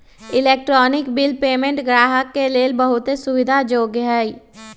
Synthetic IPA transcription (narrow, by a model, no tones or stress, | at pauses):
ɪleːk̚ʈɾɔːnɪkbɪlpeːmẽɳʈɡɾaːɦəkːeleːlbəɦʊt̪esʊʋɪd̪ʱad͡ʒoːɡɦɛːi